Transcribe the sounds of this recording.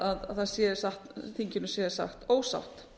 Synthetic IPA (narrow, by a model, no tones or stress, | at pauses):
aðaðθaðsjɛðɾsaxt̪θiɲcɪnʏsjɛðɾ̥sa̰xt̪oːwsa̰wht̪